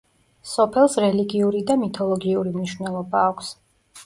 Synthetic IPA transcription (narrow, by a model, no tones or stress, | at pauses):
sɔpʰɛlˠsɾɛliɡiuɾid̪amit̪ʰɔlˠɔɡiuɾimniʃvnɛlˠɔbaːkʷʰs